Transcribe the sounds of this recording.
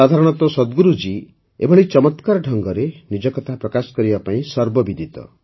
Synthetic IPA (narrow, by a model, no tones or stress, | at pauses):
ad̪ʱaɾɔɽ̃ɔt̪ɔsɔd̪ɡuɾud͡ʒi | ḛbʱɔɭit͡ʃɔmɔt̪kaɾɔɖʱɔŋɡɔɾenid͡ʒɔkɔt̪ʰapɾɔkasɔ̥kɔɾibapaĩsɔɾbɔbid̪ʱit̪ɔ̰